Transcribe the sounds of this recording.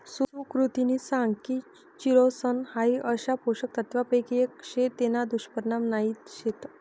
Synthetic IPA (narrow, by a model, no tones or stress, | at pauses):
sukɾut̪inisãŋɡki | t͡ɕiɾosənhaiʔəɕapoɕək̚t̪ət̪ʋapəjkekɕet̪enad̪uɕpəɾnamnaiːt̪ɕet̪